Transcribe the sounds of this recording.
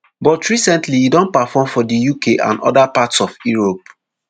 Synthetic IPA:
bɔtɹisɛ̃ntliidɔ̃npafɔmfɔdijukʰeʔã̰nɔ̰dapatsɔfjuɹop̚

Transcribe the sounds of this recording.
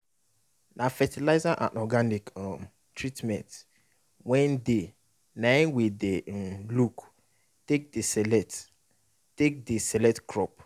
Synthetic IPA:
nʔãfɛtʰilaɪzaʔã̰nʔɔɡanikm | tʰɹitmɛ̃nt | wɛ̃nde | nãnwiden̩luk | tek̚desɛlɛt | tek̚disɛlɛtkʰɾɔp̚

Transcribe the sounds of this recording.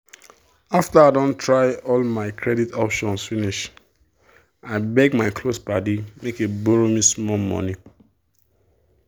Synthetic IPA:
aftaaɪdɔ̃ntʰɹaɪɔlmaɪkʰɹɛditɔpʃɔ̃nsfiniʃ | aɪbɛɡmaɪkʰlospadimekeboɹomismɔlmɔ̰ni

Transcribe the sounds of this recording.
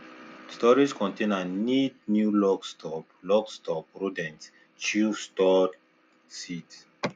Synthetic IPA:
stɔɹiskʰɔ̃ntʰẽnannit̚njulɔkstʰɔplɔkstɔp̚ɹudɛ̃ns | t͡ʃustɔd | sit

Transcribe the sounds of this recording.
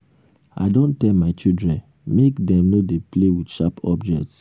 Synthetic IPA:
a̰ɪdõntɛlmaɪt͡ʃidɹɛ̃n | mekdɛ̃mnodeplewid̥ʃapʰɔbd͡ʒɛk̚ts

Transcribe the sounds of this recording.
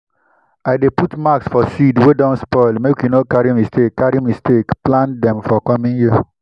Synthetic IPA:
aɪdeputmaksfɔsidwedɔ̃nspɔɪlmekjunokaɹimistʰekːaɾimistʰekplãndɛ̃mfɔkɔmĩŋju

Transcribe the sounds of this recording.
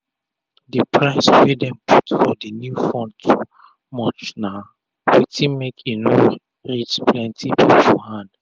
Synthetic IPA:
dipʰɹaɪsfidɛ̃mpʰutfɔdənjufɔ̃ndtʰu | mɔt͡ʃna | witʰĩmekʰino | ɹit͡ʃplɛ̃ntʰibifɔhãnd

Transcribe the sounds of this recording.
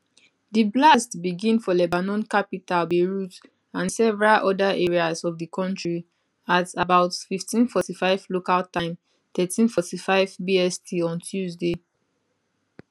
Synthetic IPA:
diblastbiɡĩnfɔlɛbanɔ̃nkapitalbeɹut | ãnsɛvɛɹalʔɔdaʔeɹiazɔvdikʰɔ̃ntɹi | atabaʊtfiftĩnfɔtifaɪvlokaltãɪ̃m | tɛtĩnfɔtifaɪvbiɛstʰiɔ̃ntʰjuzde

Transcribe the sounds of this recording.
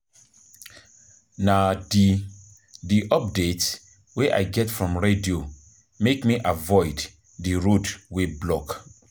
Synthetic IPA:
nadi | diʔɔp̚det | wɛʔa̰ɪjɡɛtfɹɔ̃mɹedio | mekmiʔavɔɪd | dəɹodweblɔk

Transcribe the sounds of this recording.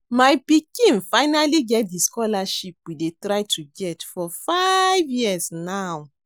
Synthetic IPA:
majpikĩnfaɪnaliɡɛt̚diskɔlaʃip̚widetɹajtʰuɡɛtfɔfajvjisnaw

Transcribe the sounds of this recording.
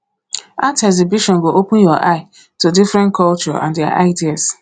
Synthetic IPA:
atɛzibiʃɔ̃nɡoʔopʊ̃jɔʔaɪ | tudifɾɛ̃nkʰɔlt͡ʃɔ̰ʔã̰ndea̰ʔa̰ɪdias

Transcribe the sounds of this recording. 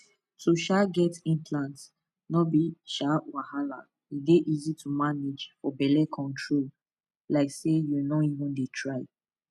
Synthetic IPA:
tʰuʃaɡɛtĩnpʰlãnt | nɔbiʃawahala | ideʔizitʰumaned͡ʒfɔbɛlɛkʰɔ̃ntʰɹol | laɪksejunɔivɔ̃ndetʰɹaɪ

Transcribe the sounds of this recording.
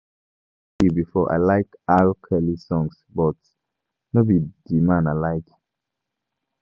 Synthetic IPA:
hibifɔʔa̰ɪlaɪkalkʰɛlisɔ̃ŋs | bɔt | nobidimãnalaɪk

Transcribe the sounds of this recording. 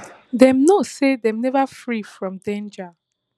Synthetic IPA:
dɛ̃mnosedɛ̃mnɛvafɹifɹɔ̃mdɛ̃nd͡ʒa

